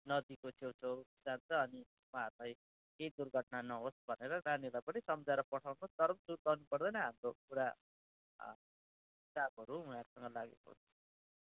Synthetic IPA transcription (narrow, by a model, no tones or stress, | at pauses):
nʌd̪ikosʰewsʰewd͡zant͡sʰʌːni | waɦʌrlaj | kejd̪urɡʱʌʈnanʌɦosbʱʌneɾʌranjelajpʌnisʌmd͡zaɾʌpʌʈʰawnut̪ʌɾʌmsuɾk̪ʌwnupʌrd̪ʌjnʌɦamrokuɾa | ɦisabɦʌɾuũnaɾusʌŋɡʌlaɡḛko̰t͡sʰʌ̥